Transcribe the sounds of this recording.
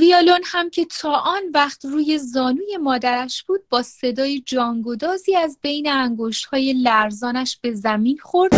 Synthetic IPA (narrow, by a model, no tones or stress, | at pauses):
viɒːlo̞nhæmcʰe̞t̪ʰɒːʔɒːnvæχt̪ruːje̞zɒːnuːje̞mɒːd̪æɾæʃb̥uːd̪̚bɒːse̞d̪ɒːjed͡ʒɒːŋɡo̞d̪ɒːziːæzbe̞jneæŋɡoʃt̪hɒːje̞læɾzɒːnæʃb̥e̞zæmiːnxo̞ɾd̪̥